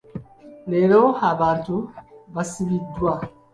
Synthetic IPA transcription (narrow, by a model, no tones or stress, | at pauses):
leɾohabant̪ubasibidua